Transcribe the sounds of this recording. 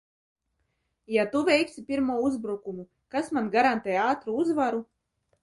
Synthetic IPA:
jat̪uvʲɛjksipʲiɾmuɔuzbɾukumu | kasmanɡaɾant̪ɛːjaːt̪ɾuuzvaɾu

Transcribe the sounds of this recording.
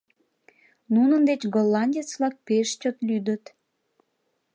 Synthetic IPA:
nunənd̪et͡ɕɡolːɑnʲdʲet͡sβlɑk̚peʃt͡ɕot̪lyd̪ət̪

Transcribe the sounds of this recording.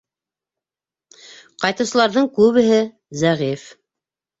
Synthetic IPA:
qɑjt̪ɤ̆wsɤ̆lˠɑɾðɤɴkʉβɘ̆ɦɘ | zæʁif

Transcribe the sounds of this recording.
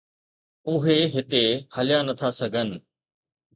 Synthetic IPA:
ʊɦeɦɪt̪ehɐlɪjanɐt̪ʰasɐɡʱənɪ̆

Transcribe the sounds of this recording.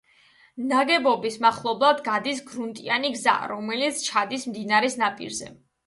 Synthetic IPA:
naɡɛbɔbismaχlˠɔblˠad̪ɡad̪isɡɾunt̪ʼianiɡza̰ɾɔmɛlit̪sʰt͡ʃʰad̪ismd̪inaɾɛsnapʼḭɾzɛ̰

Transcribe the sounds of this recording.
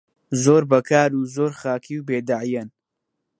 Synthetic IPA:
zoːɾbɐkʰaːɾuːzoːɾxaːkʰiwbeːd̪aʕjɐn

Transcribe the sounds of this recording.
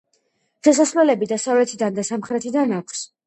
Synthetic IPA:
ʃas̬asvlɛlɛbid̪asavlɛt̪ʰid̪and̪asamχɾɛt̪ʰid̪anakʷʰs

